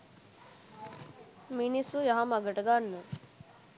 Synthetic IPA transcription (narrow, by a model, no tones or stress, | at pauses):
minisujɐɦamɐɡəʈəɡanːə